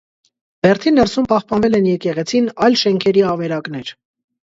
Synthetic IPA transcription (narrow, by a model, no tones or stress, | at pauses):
b̥ɛɾt̪ʰinːɛɾsumpɑχpɑnvɛlɛnjɛkɛʁɛt͡sʰinɑjlʃɛŋkʰɛɾiɑvɛɾɑkn̪ɛɾ